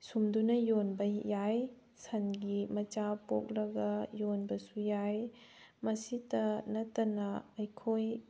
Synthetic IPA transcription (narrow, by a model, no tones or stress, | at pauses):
sumdunɐjonbɐjaj | sɐnɡimɐt͡ʃapok̚lɐɡɐjonbɐsujajmɐsitɐnɐtːɐnɐɐjkʰoj